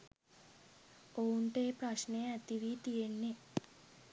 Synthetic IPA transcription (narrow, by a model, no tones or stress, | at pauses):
ouɳʈeːpɾɐʃneat̪iʋit̪ijenːe